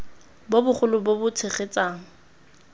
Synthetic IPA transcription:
bobʊχʊlʊbobʊt͡sʰeχet͡sʼaːŋ̩

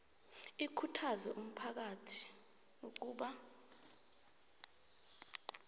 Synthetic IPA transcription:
ikʰutʰazɛʔum̩pʰak̬atʰi̥ | uk̬ʼuːɓa

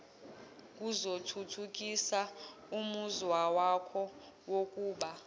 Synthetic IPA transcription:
k̬ʼuzotʰutʰuk̬ʼisa | umuzwawakʰɔ | wokʼuːɓa

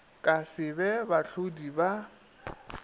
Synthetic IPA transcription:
kʼasɪbɛbaɬʰodiba

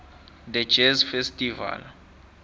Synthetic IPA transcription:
d̪ɛ̥d͡ʒɛzfestʼiva̰l

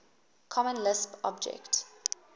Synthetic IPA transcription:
kʰɔmə̃nlɪspɔ̰bd͡ʒɛ̰kt

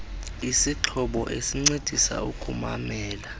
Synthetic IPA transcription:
isiǁʰɔɓɔʔesiŋ͡ǀed̥ʱisa̰ukʼuma̰mɛːla

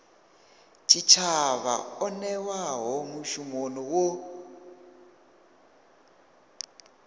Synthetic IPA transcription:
t͡ʃʰit͡ʃʰaβa̰ɔnɛwaɦɔmuʃumonɔwo

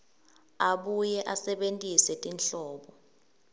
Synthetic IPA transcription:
aɓujɛʔasɛɓentʼisɛtʼinɬɔːɓɔ

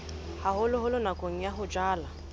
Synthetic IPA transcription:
haɦʊlʊɦʊlʊnakʼoŋ̩jaɦʊd͡ʒaːla

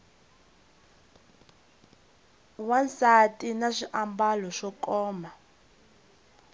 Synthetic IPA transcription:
wansatʼinaʃiʔambalɔʃɔkɔːma

